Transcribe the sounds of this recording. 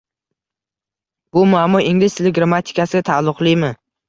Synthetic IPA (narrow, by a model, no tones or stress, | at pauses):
bʊmʊamʊʔɪŋlʲɪst̪ʰelɪɡɾamat̪ʰɪ̥kʰʲasɪɡʲat̪ʰalˠːʊqlˠɪjmɪ